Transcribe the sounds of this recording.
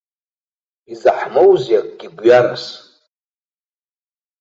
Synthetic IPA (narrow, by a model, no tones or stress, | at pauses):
izaħmowzjakʼɡ̥ʲiɡʷɥaɾas